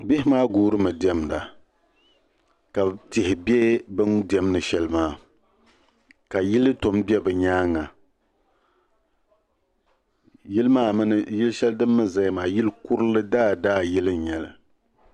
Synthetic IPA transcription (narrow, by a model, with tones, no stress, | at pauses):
bɪ˦hɪ˦maː˦ɡuː˦ɾɨ˦mɨ˨di˨˦ɛ˦mda̰˨ | ka˨te˨hɪ˨bɛ˦bɨ˦ndɛ˦mnɨ˨ʃɛ˦lmaː˦˨ | ka˨ji˦lɨ˦to˨mbɛ˦bɨ˨ɲaː˦ŋa˨ | ji˦lmaː˦mɨ˦nɨ˨ji˦lʃɛ˦ldɨ˦mːɨ˦za˦jmaː˨ji˦lku˦ɾɨ˦lɨ˦daː˦˨daː˦ji˦lɨ˦˨ɲɛ˨lɨ˨